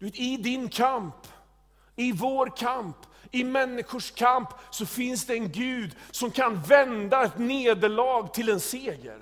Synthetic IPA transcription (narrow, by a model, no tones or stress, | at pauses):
dd̪ɵveːt̪ɪd̪ɪnkʰamp | ɪvoːɾkʰamp | ɪmɛnːɪɧʊʂkʰampsɔfɪnsd̪ɛːnɡʉ̟ːd̪sɔmkʰanvɛnd̪aɛt̪neːd̪əɭɑːɡt̪ʰɪlɛnseːɡə̰ɾ